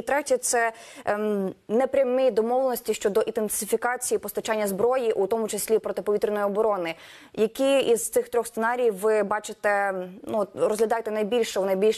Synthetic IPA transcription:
t̪ɾɛtʲɛt̪sɛ | nɛpɾʲɐmɪd̪ɔmɔʋlˠenɔsʲtʲiʃt͡ʃɔd̪ɔʔid̪ensɪfʲikɑt͡sʲijipɔst̪ɐt͡ʃanʲːɐzbɾɔjiʔut̪ɔmʊt͡ʃesʲlʲipɾɔt̪ɪpɔit̪ɾɪnɔjiɔbɔɾɔnɪ | jɐkiiz̥t̪sɪxt̪ɾʲɔxssenɑɾʲijʋɪbɑt͡ʃɪt̪ɛnurɔzɦlʲɐd̪ɑjet̪ɛnɐjbʲilʲʃɛunɐjbʲilʲʃ

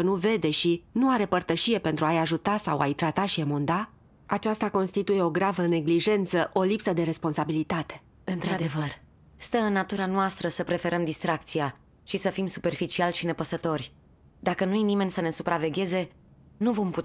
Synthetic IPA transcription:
ənuve̞d̪e̞ʃinuaɾe̞pərt̪əʃije̞pe̞nt̪ɾuajaʒut̪asawa̰jt̪ɾat̪aʃiamond̪a | at͡ʃast̪ako̞nst̪it̪uje̞o̞ɡɾavəne̞ɡliʒe̞nt̪səʔo̞lipsəd̪e̞ɾe̞spo̞nsabilit̪at̪e̞̥ | ɨnt̪ɾad̪evər | st̪əɨnːat̪uɾanoast̪ɾəsəpɾe̞fe̞ɾəmd̪ist̪ɾak̚t̪sija | ʃisəfimsu̥pe̞rfit͡ʃialʃine̞pəsət̪o̞rʲ | d̪akənujenime̞nʲsəne̞supɾave̞ɡʲe̞ze̞ | nuvo̞mput̪

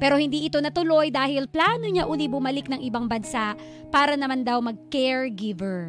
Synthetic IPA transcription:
pɛːɾo̞hɪnd̪iːʔɪt̪o̞nɐt̪ʊlo̞jd̪aːhɪlplaːnoɲaʔʊlibʊmɐlɪknɐŋʔɪbaŋbɐnsaʔ | paːɾɐnɐmand̪ɐwmɐɡ̚kɛɹɡɪvɛɹ

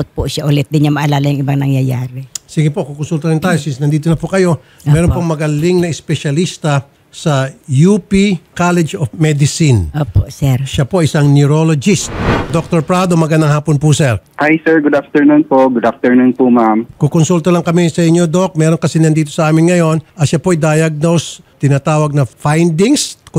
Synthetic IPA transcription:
ʊt̪̚pʊʃaʔʊlɛt̪̚d̪ɪnɐŋmɐʔɐlaːlɐjʊŋʔɪbaŋnɐŋjɐjaːɾɪsiɡɪpo̞kukonsult̪ɐɾɪnt̪aːjosisnɐnd̪iːt̪onɐpokɐjo̞ | ɛːɾonpoŋmɐɡɐlɪŋnɐɪspɛʃɐlist̪ɐ | sɐjupikalɛd͡ʒofmɛd̪ɪsɪnʔoːpo̰sɛɾʃapoajɪsaŋnʊɾolod͡ʒist̪̚d̪ok̚t̪oɾpɾad̪omɐɡɐnd̪aŋɦaːponpʊsɛɾhajsɛɹɡʊd̪aft̪ɛɹnunpoɡʊd̪aft̪ɛɹnunpumamkokonsult̪olɐŋkɐmɪsɐɪɲːod̪ok̚mɛːɾoŋkɐsɪnɐnd̪iːt̪o̞sɐʔaːmɪnŋɐjo̞nʔɐt̪ʃapoajd̪ajɐɡ̚nowst̪ɪnɐt̪aːwɐɡ̚nɐfajnd̪iŋsk

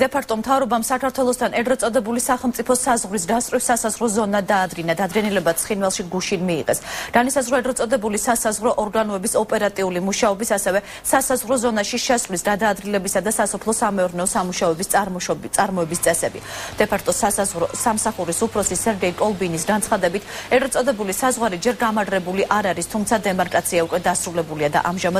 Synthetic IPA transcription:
d̪ɛpʰak̚ʰt̪ʼɔmt̪ʰavɾɔbamsakʰaɾt̪ʰwɛlˠɔst̪ʰanɛd̪ɾɛt̪sʼɔd̪ɛbulisaχɛlˠmt̪sʼipʰɔsazʁɾis̬d̪ast̪ʼɾisasazʁɾɔzɔnad̪aːd̪ɡinad̪ad̪ɡɛnilɛbat̪sʰχinwɛlˠʃiɡuʃinmiːʁɛ̰sd̥anisazʁɾɔɛd̪ɾɛt̪sʼɔd̪ɛbulisasazʁɾɔʔɔɾɡanɔɛbisɔpʼɛɾat̪ʼiulimuʃaɔbisasɛvɛ | sasazʁɾɔzɔnaʃiʃɛsvlisɡad̪aːd̪ɡilɛbisad̪asasɔpʰlˠɔsamɛuɾnɛɔsamuʃaɔɛbist̪sʼaɾmɔɛbist̪sʼɛsɛbḭd̪̥ɛpʰak̚ʰt̪ʼɔssamsaχuɾisupʰɾɔsisɛɾɡɛikʼɔlˠbinisɡant̪sχad̪ɛbit̪ʰɛɡ̪ɾɛt̪sʼɔd̪ɛbulisazʁwaɾid͡ʒɛɾɡamaɾɾɛbuliʔaɾaɾist̪ʰumt̪ʰad̪ɛmaɾkʼat̪sʰiaukʼwɛd̪asɾulɛbuliad̪a̰ʔamʒamad̪

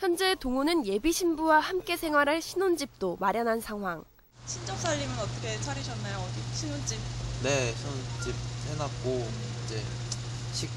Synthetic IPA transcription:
çjʌnd͡ʑe̞toŋunɯnje̞biɕʰimbuwahamk͈e̞sʰe̞ŋwaɾɦaɭɕʰinond͡ʑip̚t͈omaɾjʌnɦansʰaŋɦwaŋ | ɕʰind͡ʑʌk̚s͈aʎːimɯnʌt͈ʌkʰe̞t͡ɕʰaɾiɕʰʌnːajoɕʰinond͡ʑip̚ne̞ɕʰinond͡ʑip̚henat̚k͈oid͡ʑe̞ | ɕʰik̚

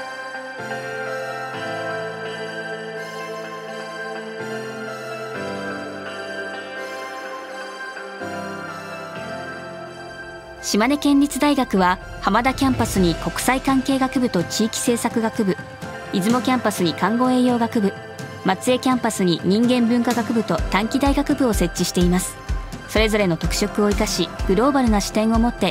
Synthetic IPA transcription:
ɕimane̞kẽ̞ɲʲɾʲit͡sɨd̪aiɡakɯ̟βa | hamad̪akʲãmpasɨɲ̟iko̞kɯ̟̥saikãŋke̞ːɡakɯ̟bɯ̟t̪o̞t͡ɕiːkʲi̥se̞ːsakɯ̟ɡakɯ̟bɯ̟ | izɨmo̞kʲãmpasɨɲ̟ikãŋɡo̞e̞ːjo̞ːɡakɯ̟bɯ̟ | mat͡sɨe̞kʲãmpasɨɲ̟iɲ̟ĩŋɡẽ̞mbɯ̟̃ŋkaɡakɯ̟bɯ̟t̪o̞t̪ãŋkʲid̪aiɡakɯ̟bɯ̟o̞se̞t͡ɕːiɕi̥t̪e̞imasɨ̥so̞ɾe̞zo̞ɾe̞no̞t̪o̞kɯ̥ɕo̞kɯ̟o̞ikaɕiɡ̥ɯ̟ɾo̞ːbaɾɯ̟naɕi̥t̪ẽ̞ɰ̃o̞mo̞t̪ːe̞

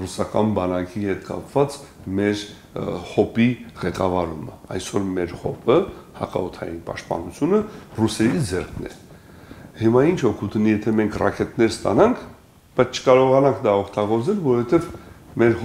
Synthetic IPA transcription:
rusɑkɑnbɑnɑkihɛt̪kɑ̰pvɑt͡s | mɛɾ | χɔpiʁɛkɑvɑɾumə̰ɑjsɔɾmɛɾχɔpʰəhɑ̰kɑ̰ɔt̪ʰɑ̰jinpɑ̰ʃt̪̚pɑ̰nut͡sʰjunərusɛɾid͡zɛrkʰnɛ̰ | himɑint͡ʃʰɔkʰut̪ʰənjɛt̪ʰɛmɛŋkʰrɑ̰kɛt̪nɛɾst̪ɑ̰nɑŋkʰ | b̥ɑjt͡sʰt͡ʃʰə̥kɑɾɔʁɑnɑŋkʰd̪ɑɔkʰt̪ɑɡɔɾd͡zɛlvɔɾɔvɛt̪ɛvmɛɾ

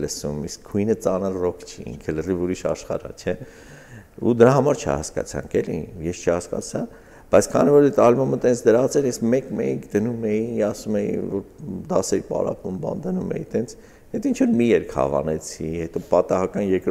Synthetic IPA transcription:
ləsumiskʰːujnət͡sɑnəlrɔkʰt͡ʃʰiḭŋkʰələrivuɾiʃɑ̰ʃχɑ̰ɾɑ̰t͡ʃʰɛ | ṵd̪əɾɑɦɑmɑɾt͡ʃʰɛ̰hɑskɑ̰t͡sʰɑ̰ŋkɛlijɛst͡ʃʰəɑskɑ̰t͡sʰɑ | b̥ɑjt͡sʰkʰɑ̰nivɔɾɛt̪ʰɑlmɔmət̪ɛnt͡sʰd̪əɾɑt͡sʰɛɾjɛsmɛkmɛ̰jiŋkʰd̪ənumɛjiɑsumɛjḭvɔɾd̪ɑsɛɾipɑ̰ɾɑ̰pumbɑ̰nd̪ənumɛ̰jḭt̪ɛnt͡sʰ | hɛt̪int͡ʃʰvɔɾmijɛɾkʰhɑ̰vɑ̰nɛt͡sʰihɛt̪ɔpɑt̪ɑɦɑkɑnjɛɾkɾ

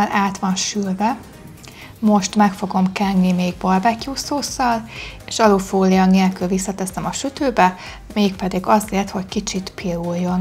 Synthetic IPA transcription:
lʔaːt̪ʋɒnʃylvɛ | mo̞ʃt̪mɛkfo̞ɡo̞mkɛnːimeːɡ̚bɒrbɛkjuːsoːsɒleːʃɒlufoːlijɒneːlkylvisːɒt̪ɛsɛmɒʃyt̪øːbɛ | meːk̚pɛd̪iɡɒzeːrt̪ho̞ckit͡ʃit̪pʰilujːo̞n

